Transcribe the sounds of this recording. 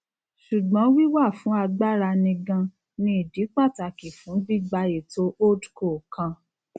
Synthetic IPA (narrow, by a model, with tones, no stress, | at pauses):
ʃu˨ɡ͡bɔ̃˨˦wi˦wa˦˨fũ˨˦a˧ɡ͡ba˦ɾa˧nĩ˧ɡã˧ | nĩ˦i˦˨di˨˦k͡pa˦˨ta˨ki˨fũ˨˦bi˦ɡ͡ba˧je˨to˦ʔo˦dko˨kã˧